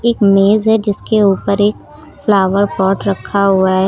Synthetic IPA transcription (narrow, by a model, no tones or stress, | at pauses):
eːkmeːzɦɛd͡ʒɪskeuːpəɾeːk | flaːʋəɾpɔːʈɾɐkʰːaɦʊaɦɛː